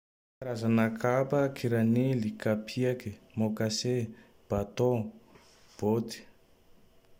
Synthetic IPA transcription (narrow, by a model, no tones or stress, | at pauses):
aɾazanakʰapəkʰiɾanelikapʰiakimokase | b̥at̪o | b̥ot̪i̥